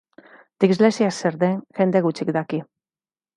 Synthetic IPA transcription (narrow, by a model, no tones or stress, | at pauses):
d̪̥ikzlesiaseɾðeŋʝe̞nd̪eɣut͡ʃikd̪aki